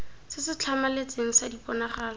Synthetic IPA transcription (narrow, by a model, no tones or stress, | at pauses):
sɪsɪt͡ɬʰamalet͡seŋ̩sadipʼɔnaχaːlɔ